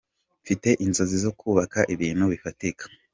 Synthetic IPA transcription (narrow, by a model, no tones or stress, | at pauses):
fite̞ʔinzo̞zizo̞kʰuːβakaʔiβiːnuβifatikḁ